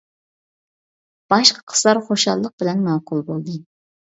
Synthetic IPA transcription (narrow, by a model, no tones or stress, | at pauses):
b̥ɑʃqʰɑ̥qʰə̥slˠɑɾχoʃɑlˠːəq̚bɪlɛnmɑːqʰʊlˠbolˠd̪ɨ